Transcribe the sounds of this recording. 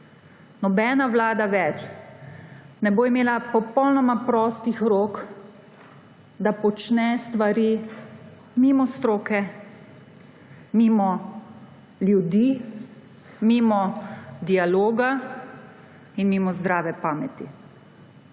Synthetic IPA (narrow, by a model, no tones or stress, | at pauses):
nɔbɛːnaʋlaːd̪aʋɛt͡ʃ | nɛboːimeːlapɔpɔwnɔmapɾɔːst̪ixɾok | d̪apɔt͡ʃnɛst̪ʋaɾi | mimɔst̪ɾoːkɛ | mimɔ | ljud̪i | mimɔd̪ialoːɡa | inmimɔzd̪ɾaːʋɛpaːmɛt̪ḭ